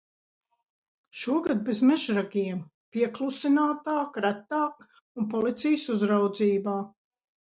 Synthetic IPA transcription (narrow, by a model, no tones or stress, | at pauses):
ʃuɔɡad̪̚bezmɛʒɾaɡʲiɛm | piɛklˠusinaːt̪aːkɾæt̪ːaːk | unpɔlit̪sijsuzɾawd̪ziːbaː